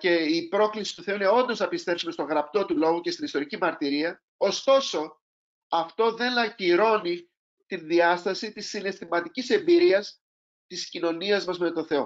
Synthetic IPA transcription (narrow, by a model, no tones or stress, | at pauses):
ce̞ipɾo̞klisi̥t̪uθe̞uine̞o̞nd̪o̞znɐpist̪e̞psume̞st̪o̞ɣɾɐp̚t̪o̞t̪ulo̞ɣucest̪inist̪o̞ɾicimɐɾt̪iɾiɐ | ost̪o̞so̞ | ɐft̪o̞ðe̞nɐciɾo̞ni | t̪inðiɐst̪ɐsit̪isːine̞st̪imɐt̪icise̞mbiɾiɐs | t̪iscino̞niɐzmɐzme̞t̪o̞θe̞o̞̰